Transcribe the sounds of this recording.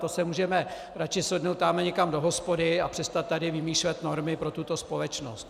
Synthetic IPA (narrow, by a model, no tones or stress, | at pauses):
t̪osɛmuːʒɛmɛ | ɾat͡ʃɪslɛdnowt̪ːaːmɛɲɛkamdo̞ɦospo̞dɪapr̝̥ɛst̪at̪̚ːadɪvɪmiːʃlɛt̪no̞ɾmɪpɾo̞t̪ut̪o̞spo̞lɛt͡ʃno̰st̪